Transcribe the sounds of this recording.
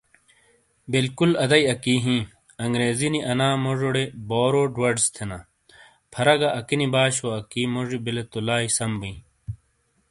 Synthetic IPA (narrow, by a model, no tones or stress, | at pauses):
bilkulɐd̪ɐjɐkiːɦĩː | ɐŋɡɾeːziniʔɐnaːmoʐoɽeboːɾoɖwɐɖst̪ʰena | pʰɐɾɐɡɐʔɐkinibaːɕoɐkiːmoʐibilet̪olaːisɐmbĩː